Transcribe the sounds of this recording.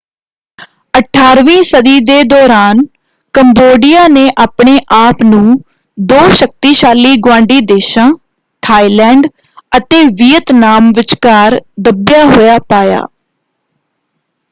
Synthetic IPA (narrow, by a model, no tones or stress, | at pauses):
əʈʰaːɾʋĩːsəd̪iːd̪eːd̪ɔːɾaːn | kəmboːɖɪjaːneːʔaːpɳeːʔaːpnũː | d̪oːʃək̚t̪iːʃaːliːɡwãːɳɖiːd̪eːʃãː | ʈ̪ʰaːiːlɛ̃ːɳɖ | ət̪eːʋiːət̪naːmʋɪt͡ʃkaːɾd̪əbjaːɦoːjaːpaːja̰ː